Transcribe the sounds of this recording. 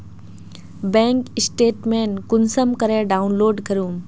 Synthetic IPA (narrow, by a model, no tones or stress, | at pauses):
bɛ̃ːŋkɪsʈeːʈmẽːnkʊnsəmkɐɾeːɖaːunloːɾɖkɐɾũː